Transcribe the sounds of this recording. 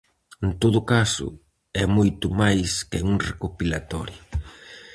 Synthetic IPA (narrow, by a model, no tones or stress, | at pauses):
ent̪oðʊkasʊ̰ | ɛmojt̪ʊmajskɪuŋrekopilat̪ɔɾjʊ